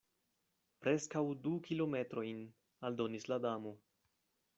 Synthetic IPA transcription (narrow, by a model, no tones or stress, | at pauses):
pɾe̞skawdukʰilo̞me̞tɾo̞jn | aldo̞nisladamo̞